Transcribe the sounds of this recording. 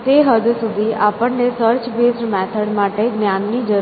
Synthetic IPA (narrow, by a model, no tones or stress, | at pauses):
t̪eɦəd͡ʒusud̪ʱiʔapəɳnesəɾt͡ʃbesʈmɛt̪ʰəɽmaʈeɡnjanːid͡ʒə